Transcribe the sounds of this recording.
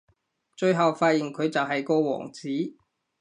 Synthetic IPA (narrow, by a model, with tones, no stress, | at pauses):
t͡ʃɵ˨˧ɥɦɐ˨wfaː˧t̚ji˨˩ŋkʰɵ˨˧ɥt͡sɐ˨wɦɐ˨jkɔː˧wɔ̰ː˨˩ŋt͡siː˨˥